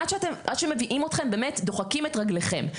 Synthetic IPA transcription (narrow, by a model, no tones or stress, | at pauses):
adʃeatemʔad̪ʃeme̞viʔimotχe̞mbemetdoχakimetʁaɡleχe̞̰m